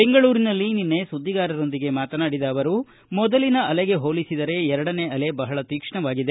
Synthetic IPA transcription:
be̞ŋɡɐɭuːɾinɐlːininːe̞sud̪ʱːiɡaːɾɐɾo̞nd̪iɡe̞maːt̪ɐnaːɽid̪ɐːʋɐɾu | mɔd̪ɐlinɐɐleɡe̞ɦoːlisid̪ɐɾe̞ɛɾɐɽɐne̞ɐle̞bɐɦɐɭɐt̪iːkʂɐɳɐʋaːɡid̪e̞

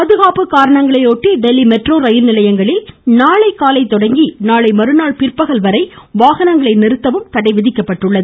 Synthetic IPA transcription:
pɐðɯɣaːpɯkaːɾɐɳɐŋɡɐɭɐɪoːʈːiɖɛlːimɛʈroːɾɐjɪlnɪlɐjɐŋɡɐɭeːnaːɭɐɪkaːlɐɪt̪ːɔɽɐŋɡinaːɭɐɪmɐɾɯnaːɭpɪrpːɐɣɐɭʋɐɾɐɪʋaːɣɐnɐŋɡɐɭɐɪnɪɾɯt̪ːɐʋɯmt̪ɐɽɐɪʋɪðɪkːɐpːɐʈːɯɭːɐðɯɯ

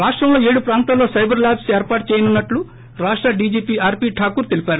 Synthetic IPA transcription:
ɾaːʂʈɾɐmlo̞ːe̞ːɽupɾaːnt̪aːlːo̞ːsɐjbɐɾlaːbseːɾpaːʈ̚t͡ʃeːjɐnunːɐʈlu | ɾaːʂʈɾɐɖiːd͡ʒiːpiːaːɾpiːʈʰaːkuːɾt̪elipæːɾu

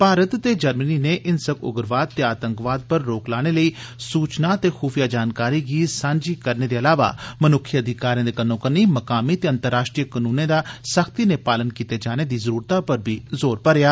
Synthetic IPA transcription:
paːɾət̪ːeːd͡ʒəɾməniːneːʔɪnsəkʊ̰ɡəɾʋaːd̪̚t̪eːaːt̪əŋkʋaːd̪̚pəɾːoːklaːɽ̃eːləiː | suːt͡ʃnaːt̪eːxʰuːfijaːd͡ʒaːnkaːɾiːɡiːsãːɲd͡ʒiːkəɾneːd̪eːəlaːʋa̰ːmənʊkʰːjəəd̪ʱɪkaːɾijãːd̪eːkənːõːkəniːməkaːmiːt̪eːənt̪əɾːaːʃʈɾijəkənũːnẽːd̪aːsəkʰt̪iːneːpaːlənkiːt̪eːd͡ʒaːneːd̪iːzəɾuːɾt̪ãpəɾbʱiːzoːɾpəɾɪjaː

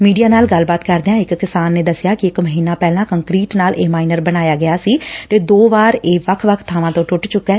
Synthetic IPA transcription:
miːɖijaːnaːlɡəlbaːt̪kəɾd̪eãːɪkːɪsaːnːeːd̪əsɪjaːkɪɪkməɦiːnaːpɛːlãːkəŋkɾiːʈnaːlʔeːmaːinəɾbəñaːjaːɡɪjaːsiːt̪eːd̪oːʋaːɾeːʋəkʰʋəkʰt̪ʰːaːʋãːt̪õːʈʊʈt͡ʃʊkːɛː

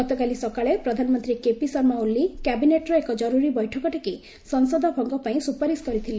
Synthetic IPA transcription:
ɡɔt̪ɔkalisɔkaɭepɾɔd̪ʱanɔmɔnt̪ɾikepisɔɾmaulːikabineʈɾɔekɔd͡ʒɔɾuɾibɔjʈʰɔkɔʈike | sɔnsɔd̪ʱɔbʱɔŋɡɔpaĩsupaɾiskɔɾit̪ʰile

